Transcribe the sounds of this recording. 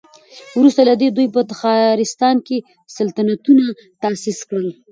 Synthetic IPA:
wɾust̪alad̪ed̪ujpət̪axɑɾɪst̪ɑnke | salt̪anat̪una | t̪ɑsiskɽəl

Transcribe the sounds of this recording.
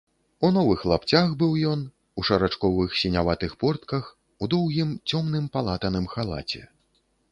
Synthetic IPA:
unɔvɨxlˠapt͡sʲaxbɨwjɔn | uʂɐɾat͡ʂkɔvɨxsʲinʲavat̪ɨxpɔrt̪kɐx | ud̪ɔwɣʲimt͡sʲɔmnɨmpalˠat̪ɐnɨmxalˠa̰t͡sʲɛ̰

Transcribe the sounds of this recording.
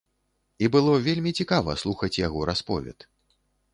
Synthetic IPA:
ibɨlˠɔvʲelʲmʲit͡sʲikavɐ̰slˠuxɐt͡sʲjaɣɔɾaspɔ̰vʲɛ̰t̪

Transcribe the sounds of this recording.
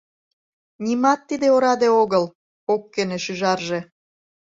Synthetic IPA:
nʲimɑt̪ːid̪eoɾɑd̪eoɣəl | okːeneʃyʒɑrʒe

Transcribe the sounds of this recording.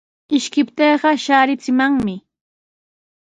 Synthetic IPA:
ɪʃkɪpt̪eːɢɑʃaːɾɪt͡sɪmaŋmɪ

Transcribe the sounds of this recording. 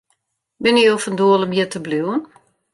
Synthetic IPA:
bɪnəofəndoələmjətəbluwən

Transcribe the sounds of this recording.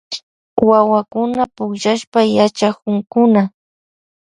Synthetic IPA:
wawakʊnapʊkʃaʃpajat͡ʃakʊŋkʊna

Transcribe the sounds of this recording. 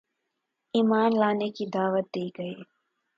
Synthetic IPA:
iːmaːnlaːnekid̪aːʋət̪̚d̪iːɡɐeː

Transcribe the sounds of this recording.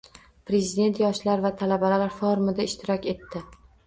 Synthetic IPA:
pɾe̞zid̪e̞nt̪jɒʃlaɾvat̪ʰalabalalaɾfoɾmɪd̪aɪʃt̪ʰɪɾɒkʲe̞t̪ːɪ

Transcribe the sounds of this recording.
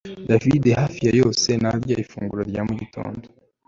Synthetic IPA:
davidehafijajo̞ːse̞naɾjaifṵːŋɡuɾoɾjamuɟito̞̰ːndo

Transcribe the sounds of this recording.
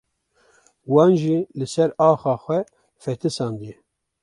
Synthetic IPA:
wɑːnʒilɨsɛɾɑːxɑːxʷɛ | fɛt̪ʰɨsɑnd̪i

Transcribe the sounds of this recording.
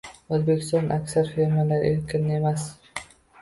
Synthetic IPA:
ozbe̞kʲɪ̥st̪ɒnʔakʲsaɾfeɾmalaɾeɾkʰʲɪne̞mas

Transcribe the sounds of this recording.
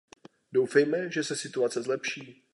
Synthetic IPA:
dowfɛjmɛʒɛsɛsɪt̪uat͡sɛzlɛpʃiː

